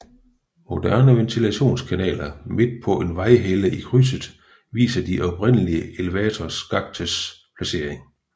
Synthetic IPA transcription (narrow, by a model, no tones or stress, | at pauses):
mo̝d̥æɐnəʋent͡sʰilæɕo̝̰ːnskʰænɛ̰ːlɐme̝d̥̚pʰɒ̽ʔe̝nʋɑ̈ɪɦeləikʰʁys̬əðˠ | ʋḭːsɐd̥iʔɒ̽b̥ʰʁen̰əliəe̝ləʋɛːt͡sʰɒsɡ̥ɑ̈ɡ̥̚t͡sʰəspʰlæse̝̰ɐ̰eŋ